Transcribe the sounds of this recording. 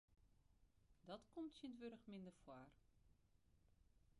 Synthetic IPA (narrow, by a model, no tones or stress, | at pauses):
dɔtkɔmtsəntʋøɾəxmɪndərfwaːr